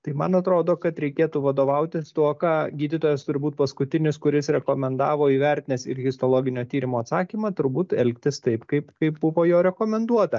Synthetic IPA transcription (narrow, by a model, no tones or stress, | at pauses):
t̪ɐɪmɐnɐt̪ɾoːd̪oːkɐt̪ɾʲɛɪkʲeɛt̪uːʋɐd̪oːʋɐʊt̪ʲɪst̪uɔkɑːɡʲiːd̪ʲɪt̪oːjɛst̪ʊɾʲbuːt̪̚pɐskʊt̪ʲɪnʲɪskʊɾʲɪsɾʲɛkoːmʲɛnd̪ɑːʋoːiːʋʲɛɾʲt̪ʲɪnʲeːsɪ̰ɾɣʲɪst̪oːlˠoːɡʲɪnʲoːt̪ʲiːɾʲɪmoːɐt̪sɑːkʲiːmɑt̪ʊɾbuːt̪ɛlʲkt̪ʲɪst̪ɐɪpkɐɪpkɐɪp̚bʊʋoːjoːɾʲɛkoːmʲɛnd̪uɔt̪ɐ